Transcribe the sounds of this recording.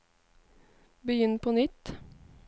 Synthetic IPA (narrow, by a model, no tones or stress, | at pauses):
bəjʏnpʰoːnʏt̪